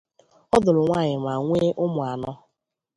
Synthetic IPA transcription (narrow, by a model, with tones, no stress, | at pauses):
ɔ˦dʊ˨lʊ˨ŋʷa˦˨ɲɪ˨ma˨ŋʷe˦ʔʊ˦mʊ˨a˨nɔ˦